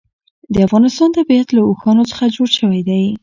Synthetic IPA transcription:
d̪əafɣɑnɪst̪ɑnt̪abiat̪laoxɑnot͡sə̥xad͡ʒoɽʃəwajd̪aj

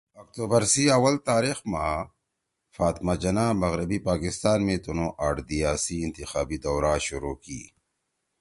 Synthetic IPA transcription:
ɐk̚t̪uːbɐɾsiɐwɐlt̪aːɾixmãː | faːt̪mad͡ʒɐnaːmɐɣɾɐbipaːkɪst̪aːnmẽt̪unõːʔaːʈd̪ijaːsiɪnt̪ixaːbid̪ɔwɾaːɕʊɾukḭː

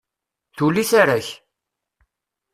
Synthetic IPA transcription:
θuliθaɾaç

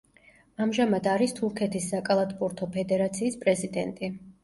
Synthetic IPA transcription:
amʒamad̪aɾist̪ʰuɾkʰɛt̪ʰisːakʼalˠat̪ʰʼpʼuɾt̪ʰɔpʰɛd̪ɛɾat̪sʰiːspʼɾɛzid̪ɛnt̪ʼi

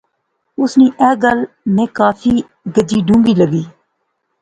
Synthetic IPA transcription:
ʊsniːʔɛːɡəl | mẽːkaːfʰiː | ɡəd͡ʒiːɖʱũːŋɡiːləɡiː

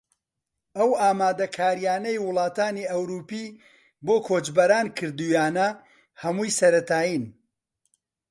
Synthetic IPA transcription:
ɐwaːmaːd̪ɐkʰaːɾijaːnɐjwʊlˠɑːt̪aːniɐwɾuːpiː | boːkʰoːt͡ʃbɐɾaːnkʰɨɾd̪ujaːnɐ | hɐmuːjsɐɾɐt̪ʰaːjiːn

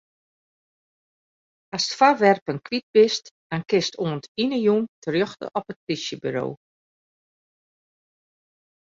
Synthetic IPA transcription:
astfaʋɛrpənkʋit̚bɪstd̥ankɪstʰoəntinəjuntʰərjɔxtə̰ʔɔpət̚krisjəbyɾo̰ː

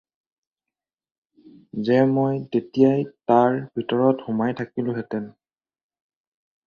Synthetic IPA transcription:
zɛmojtetijajtaɹbʱitɔɹɔtxʊmajtʰakilʊ̃ɦɛtɛn

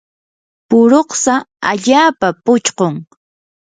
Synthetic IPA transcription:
pʊɾoχsaa̰ʎaːpapʊt͡ʃqoŋ

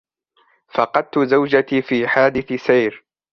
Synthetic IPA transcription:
fɑqɑd̪̚t̪ʊzawd͡ʒat̪iːfiːħaːd̪ɪθɪsajɾ

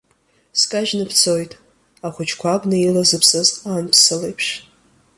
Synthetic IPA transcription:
skʼaʒnɨpʰt͡sʰo̞jtʼ | aχʷʊt͡ʃʰkʷʰabnɨilazɨpʰsɨztʼanpʰsɨlejpʰʂ

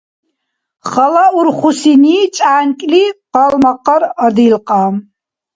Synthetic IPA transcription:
χɐlɐurχʷʊsiniːt͡ʃʼaːnkʼliqɑlmɐqɐrɐdilqɑːm

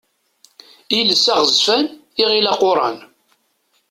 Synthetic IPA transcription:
iləsæʁəzfæniʁilɑqʊɾˤɑ̰n

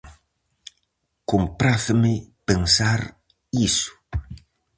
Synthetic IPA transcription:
kompɾaθmɪpensaɾ | isʊ̥

